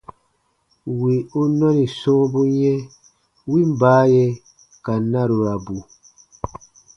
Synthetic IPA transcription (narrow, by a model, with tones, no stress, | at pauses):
wi˨u˦nɔ̃˦nĩ˨sɔ̃ː˦bu˦jɛ˦ | wi˦m̩˦baː˨˦jɛ˧ | ka˨˦nã˦ɾu˨ɾa˨bu˨